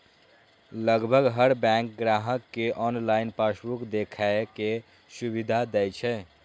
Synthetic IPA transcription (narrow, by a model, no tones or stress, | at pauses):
ləɡbʱəɡɦəɾbɛ̃ŋk̚ɡɾaɦəkːeʔɔnlajnpasbukd̪ekʰaeke | subid̪ʱad̪ɛjt͡ʃʰɛ